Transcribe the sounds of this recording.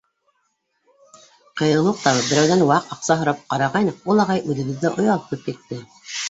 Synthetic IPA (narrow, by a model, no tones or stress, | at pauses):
qɤ̆jɤ̆lˠuq̚t̪ɑβɤbɘ̆ɾæwðænwɑqɑqsɑɦŏɾɑp̚qɑɾɑʁɑjnɤulˠɑʁɑjʔʉðɘ̆ɡɘ̆ðːæʔŏjɑlˠt̪ɤp̚kɘt̪ːɘ